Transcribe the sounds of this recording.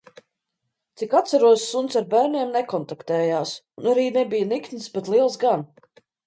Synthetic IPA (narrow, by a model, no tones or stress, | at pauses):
t̪sikat̪saɾuɔsːunt̪saɾbæːɾniɛmnɛkɔnt̪akt̪ɛːjaːsunaɾiːnebijnik̪nisbet̪lˠiɛlˠsɡan